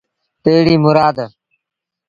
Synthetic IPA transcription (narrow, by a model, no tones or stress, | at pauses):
t̪eːɽiːmʊɾaːd̪